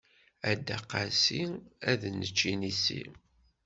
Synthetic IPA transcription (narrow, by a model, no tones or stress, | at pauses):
æd̪ːæqːasiæðnət͡ʃːinisḭm